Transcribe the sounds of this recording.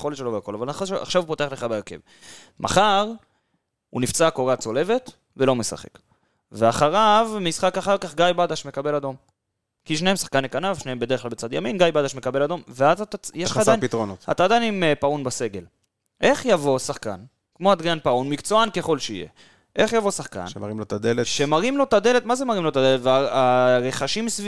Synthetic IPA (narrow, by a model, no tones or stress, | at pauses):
eχoleʃeloveako̞lavalaniχolʃea̰χʃavupot̪e̞aχle̞χabeeʁke̞̰v | mʔa̰χaʁ | unift͡sakoʁat͡so̞le̞ve̞t̪ | velo̞me̞sa̰χe̞̰k | veaχaʁavmisχakaχaʁkaχɡajbad̪aʃme̞kabe̞lad̪o̞m | kiʃne̞hemsḁχkanekanavʃne̞hembed̪e̞klalbet͡sad̪jaminɡajbadaʃme̞kabe̞lad̪o̞mveazat̪ajeʃad̪anpit̪ʁonota̰t̪ad̪animpaunbase̞ɡe̞l | ʔe̞χjavo̞saχka̰n | kmo̞ad̪ʁianpaunmikt͡soanke̞χo̞lʃeḭje̞̰ | ʔe̞χjavo̞saχka̰nʃmaʁimlot̪ad̪eleʃemaʁimlo̞t̪ad̪e̞le̞t̪mazemaʁimlot̪ad̪elet̪veaaʁe̞χaʃimsv